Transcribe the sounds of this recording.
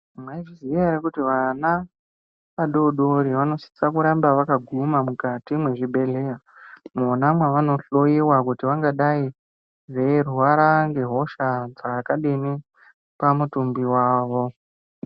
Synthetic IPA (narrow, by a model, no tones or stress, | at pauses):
mwaiʐiziaɾekutiʋana | ʋaɗo̞ɗoɾiʋano̞si̥t͡sakuɾambaʋakaɡʱumamukatimwe̞ʐiɓe̞leja | monamwaʋano̞ɬojiwakutiʋaŋɡaɗai | zeruʋaɾaŋɡe̞ɦo̞ʃad͡zaakaɗini | pamutumbiwaːʋo̞